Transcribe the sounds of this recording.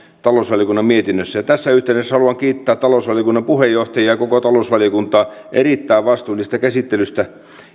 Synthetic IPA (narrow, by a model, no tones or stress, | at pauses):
t̪ɑloˑsʋɑlijokunːɑmmiet̪inːøsːæjɑt̪æsːæyht̪eˑynesːhɑluɑŋkiːt̪ːæːt̪t̪ɑlosʋɑlijokunːɑmpuhejːoht̪ɑjiɑkokot̪ɑlosʋɑlijokunt̪ˑɑː | ʔerit̪ːæːʋʋɑst̪uːlːˑist̪ɑkæsit̪ːelyst̪æ